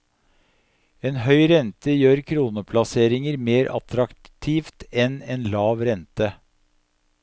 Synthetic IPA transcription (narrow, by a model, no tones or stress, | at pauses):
eːnɦœʏɾɛnt̪əjøːɾkʰɾuːnəpʰlɑseːɾɪŋəɾmeːɾʔɑ̰t̪ʰɾɑkt̪ʰiːft̪ɛnɛːnlɑːʋɾɛnt̪ə